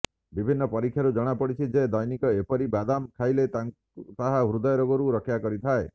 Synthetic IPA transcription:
bibʱinːɔpɔɾikʰːjaɾud͡ʒɔɽ̃apɔɽit͡ʃʰid͡ʒed̪ɔjnikɔepɔɾibad̪amkʰajlet̪aŋ | t̪aɦaɦɾud̪ɔjɾoɡɔɾuɾɔkʰjakɔɾit̪ʰae

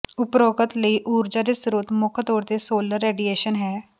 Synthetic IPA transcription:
ʊpɾoːɡət̪ləiːʔuːɾd͡ʒaːd̪eːsɾuːt̪mʊkʰt̪oːɾd̪eːsoːləɾːeːɖieːʃənɦɛː

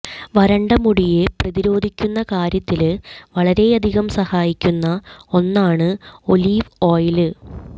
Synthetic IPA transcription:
ʋɐɾɐɳɖɐmuɽijeprɐðiɾo̞ːd̪ʱikʲːunːɐkaːɾjɐt̪ːilʋɐɭɐɾe̞ɐd̪ʱiɣɐmsɐhaːjikʲːunːɐo̞nːaːɳɨo̞liːʋo̞ːjilɨ

